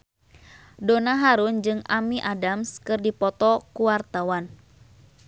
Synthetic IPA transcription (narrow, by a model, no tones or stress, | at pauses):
donaɦaɾund͡ʒɨŋamiʔadamskɨrdipɔt̪ɔkuwart̪awan